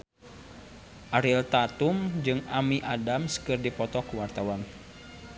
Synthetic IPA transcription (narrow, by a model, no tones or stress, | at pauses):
ʔaɾilt̪at̪umd͡ʒɨŋamiʔadamskɨrdipɔt̪ɔkuwart̪awan